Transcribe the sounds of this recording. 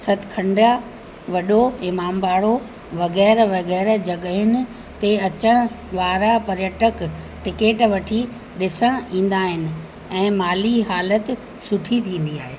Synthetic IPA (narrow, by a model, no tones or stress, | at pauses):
sɐt̪ʰɪkʰɐ̃ɳɖa | ʋɐɗoɪmaːmbaːɽo | ʋɐɣɛːɾʋɐɣɛːɾd͡ʑɐɠɦɪnɪ̆ | t̪eɐt͡ɕəɽ̃ | ʋaːɾapɐɾjəʈək | ʈɪkeːʈʋɐʈʰi | ɗɪsəɽ̃ĩːn̆d̪aːɦɪnɪ̆ | ɛ̃ːmaːliɦaːlət̪ | sʊʈʰit̪ʰĩːn̆d̪iaːɦeː